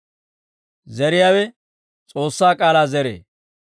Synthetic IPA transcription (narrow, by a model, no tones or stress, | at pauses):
zɛɾɪjaːwɛ | t͡sʼo̞ːsːaːkʼaːlaːzɛɾḛː